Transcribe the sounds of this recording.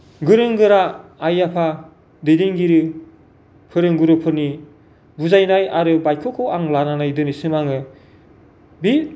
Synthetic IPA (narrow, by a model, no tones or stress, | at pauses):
ɡɯɾɯŋɡɯɾaːjapʰa | dɯjdiŋɡiɾɯ | pʰɯɾɯŋɡuɾɯpʰɯɾni | buzajnajaɾɯbajkʰɔkʰɔaŋlananajdɯnisɯmaŋɯ | bi